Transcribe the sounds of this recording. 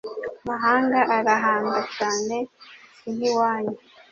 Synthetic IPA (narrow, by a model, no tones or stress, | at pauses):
amaɦaːŋɡaʔaɾaɦaːŋɡacaːne̞siniwaːɲe